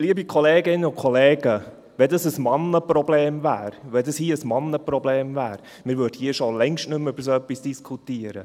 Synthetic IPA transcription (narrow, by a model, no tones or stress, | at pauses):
liəbikʰɔleːɡɪnːəʊkʰɔleːɡə | ʋɛdɑsəsmɑnːəprɔbleːmvæ̰ːɾʋɛdɑshiːəsmɑnːəprɔbleːmvæːɾ | mɪɾʋøɾdhiːəʃolɛŋʃtnʏmʏb̥əɾsoœpːisd̥iskʰutiəɾə̰